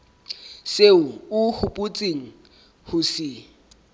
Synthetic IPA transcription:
seʊʊhʊpʼʊt͡sʼeŋ̩ | hʊsɪ

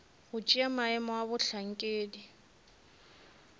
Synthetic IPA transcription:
ɣʊt͡ʃʼiamaɛmɔabʊɬaŋ̩kʼeːdi

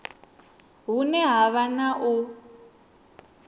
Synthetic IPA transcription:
ɦunɛɦaβanaʔu

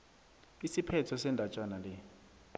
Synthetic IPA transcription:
isipʰɛtʰɔsɛndʱat͡ʃʼanalɛ

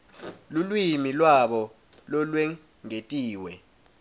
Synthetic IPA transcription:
lulwimilwaɓɔ | lɔlwɛ | ŋetʼiːwɛ

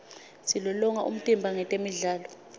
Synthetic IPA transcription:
silɔlɔŋaʔṵm̩tʼimbʱaŋɛtʼemiɮaːlɔ

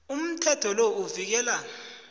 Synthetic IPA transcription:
um̩tʰɛtʰɔlouvik̬ɛːla

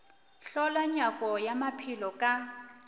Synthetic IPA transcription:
ɬɔlaɲakʼɔjamapʰilɔkʼa

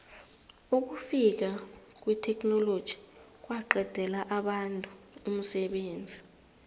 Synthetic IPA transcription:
uk̬ufik̬ak̬ʼwitʰɛkʰʼnɔlod̥ʒ̥ʱi̥ | k̬waǃɛd̥ʱɛlaʔaɓantʼuum̩sɛɓeːnd͡zʱi

